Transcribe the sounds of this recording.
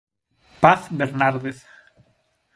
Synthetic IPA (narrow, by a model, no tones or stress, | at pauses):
paθbeɾnaɾðeθ